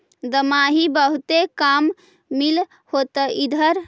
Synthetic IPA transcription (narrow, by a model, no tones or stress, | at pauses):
d̪əmaɦibəɦut̪ekamː | il | hot̪əid̪ʱəɾ